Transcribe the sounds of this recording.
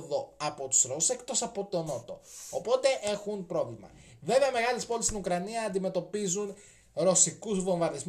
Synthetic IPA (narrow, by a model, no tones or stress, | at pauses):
ðo̞ɐpo̞t̪u̥sɾose̞kt̪o̞sɐpo̞t̪o̞not̪o̞̰ːpo̞t̪e̞ʔe̞xunpɾo̞vlimɐ̰ | ve̞veɐme̞ɣɐlespo̞list̪inukɾɐniɐːnd̪ime̞t̪o̞pizun | ɾo̞sikuzvo̞ɱvɐɾðizm